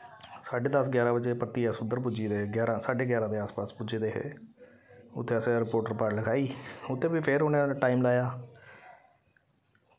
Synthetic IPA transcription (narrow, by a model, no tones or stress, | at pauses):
saːɖeːd̪əsɡɛːɾãːbəd͡ʒeːpət̪ːiːɦɛːsʊnd̪əɾp̬ʊd͡ʒiːd̪eːɡɛːɾãːsaːɖeːɡɛːɾãːd̪eːaːspaːspud͡ʒeːd̪eːɦḛː | ʊ̰t̪ʰːeːəsẽːɾɪpoːɾʈəɾpaːɾɖləɡaːiːʊt̪ʰːeːʋiːpʰɪɾonẽʈaːiːmlaːjaː